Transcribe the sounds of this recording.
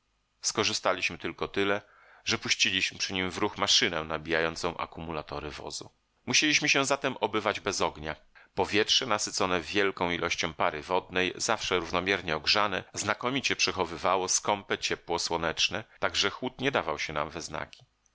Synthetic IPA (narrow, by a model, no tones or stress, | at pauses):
skɔʐɘst̪alʲiɕmɘt̪ɘlkɔt̪ɘlɛ | ʐɛpuɕt͡ɕilʲiɕmɘpʂɘɲimvɾuxmaʂɘnɛnabʲijajɔnt̪sɔ̃w̃ʔa̰kumulat̪ɔɾɘvɔ̰zṵ | muɕelʲiɕmɘɕɛzat̪ɛmʔɔbɘvad͡ʑbɛzɔɡɲa | pɔvʲjɛtʂɛnasɘt̪sɔnɛvʲjɛlkɔ̃w̃ilʔɔɕt͡ɕɔ̃w̃paɾɘ̰vɔd̪nɛjzafʂɛɾuvnɔmʲjɛɾɲɛɔɡʐanɛznakɔmʲit͡ɕɛpʂɛxɔvɘvawɔskɔmpɛt͡ɕɛpwɔswɔnɛt͡ʂnɛt̪aɡʐɛxwut̪ɲɛd̪avawɕɛna̰mvɛzna̰kʲi̥